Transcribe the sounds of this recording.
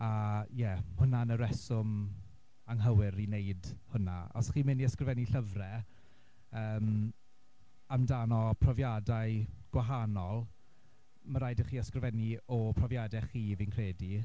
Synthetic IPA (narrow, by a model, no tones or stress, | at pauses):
ajɛhʊnanəɾɛsʊm | aŋɦəwɪɾineɨdhʊnaɔ̰sχiːmɪniəskrɪvɛniɬəvrɛ | əːm | amdanɔpʰrɔvjadajɡ̥waɦanɔlˠ | məɾajdəχiːəskrvɛniɔpʰrɔvjadɛχiːvinkʰr̥eːdi